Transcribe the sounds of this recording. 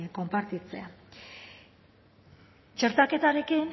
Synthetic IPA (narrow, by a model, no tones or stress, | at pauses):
ko̞mpaɾt̪it͡se̞̰a | t͡ʃe̞ɾt̪ake̞t̪aɾe̞kin